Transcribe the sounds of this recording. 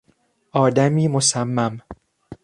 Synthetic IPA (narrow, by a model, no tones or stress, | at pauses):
ʔɒːd̪æmiːmosæmːæm